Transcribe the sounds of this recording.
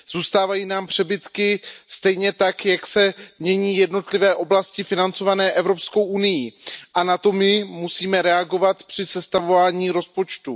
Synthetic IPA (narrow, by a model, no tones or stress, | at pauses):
z̥uːst̪aːvajiːnaːmpr̝̥ɛbɪt̪kɪst̪ɛjɲɛt̪akjaksɛmɲɛɲiːjɛdno̞t̪lɪvɛːʔo̞blascɪfɪnant͡so̞vanɛːʔɛvɾo̞psko̞wʔunɪjiʔanat̪o̞mɪmusiːmɛɾɛaɡo̞vat̪pr̝̥ɪsɛst̪avovaːɲiːɾo̞spo̞t͡ʃt̪u